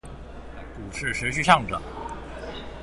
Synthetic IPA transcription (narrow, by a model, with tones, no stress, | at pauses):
ku˨˩ʂɻ̩˥˩ʂɻ̩˧˥ɕy˥˧ɕjɑ˥˩ŋʈ͡ʂə̰˨˩˦